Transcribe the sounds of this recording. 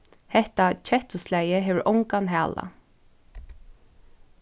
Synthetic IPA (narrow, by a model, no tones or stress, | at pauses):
hɛht̪at͡ʃʰɛht̪ʊslæjəɦeːʋəɹʔɔŋkanɦæːla̰